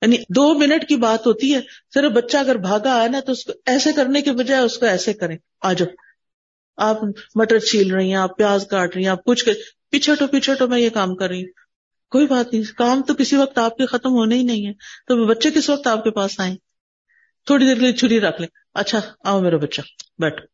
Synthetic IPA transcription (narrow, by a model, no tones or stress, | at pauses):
jaːnid̪oːmɪnəʈkibaːt̪ɦoːt̪iɦɛːsɪɾəfbɐtːʃaɐɡəɾbʱaːɡaːɛnat̪oʊskoɛːsekɐɾnekebɐd͡ʒaːeʊskoɛːsekɐɾẽː | aːd͡ʒoː | aːpmɐʈəɾt͡ʃʰiːlɾɐɦĩɦɛ̃aːpːjaːzkaːʈɾɐɦĩɛ̃aːp̚kʊt͡ʃʰke | piːt͡ʃʰeʈopiːt͡ʃʰeʈomɛ̃jekaːmkɐɾːɐɦiũ | koːibaːt̪nɐɦĩkaːmt̪okɪsiʋɐk̚t̪aːp̚kexɐt̪əmɦoːneinɐɦĩɦɛːt̪oːbɐtːʃekɪsʋɐk̚t̪aːp̚kepaːsaːẽː | t̪ʰoːɽid̪eːɾklit͡ʃʰʊɽiɾɐkʰlẽː | ɐtːʃʰaaːomeːɾabɐtːʃabɛːʈʰo̥ː